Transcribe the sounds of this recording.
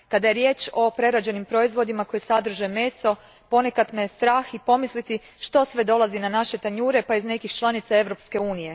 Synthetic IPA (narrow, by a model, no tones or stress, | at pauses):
kad̪aje̞ɾje̞ːt͡ʃo̞pɾe̞ɾad͡ʑe̞nimpɾo̞izʋo̞d̪imako̞jesad̪r̩ʒeme̞ːso̞ | po̞ne̞kat̪mest̪ɾaːxipo̞mislit̪i | ʃt̪o̞sʋe̞d̪o̞lˠazinanaʃe̞t̪aɲuːɾe̞paizne̞kixt͡ʃlˠanit̪sae̞ʋɾo̞pske̞uːnije̞